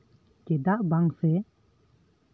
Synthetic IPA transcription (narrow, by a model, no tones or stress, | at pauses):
kɛd̪aʔbaŋsɛ